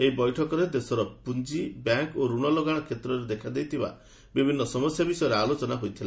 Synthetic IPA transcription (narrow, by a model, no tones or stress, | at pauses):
eɦibɔjʈʰɔkɔɾed̪esɔɾɔpund͡ʒibjaŋkoɾuɽ̃ɔloɡaɽ̃ɔkʰet̪ɾɔɾed̪ekʰad̪ejt̪ʰiba̰ | bibʱinːɔsɔmɔsjabisɔjɔɾealot͡ʃɔnaɦojt̪ʰila